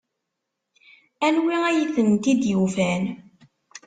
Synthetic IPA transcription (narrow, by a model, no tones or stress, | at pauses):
ænwiæjəθənt̪id̪jufæn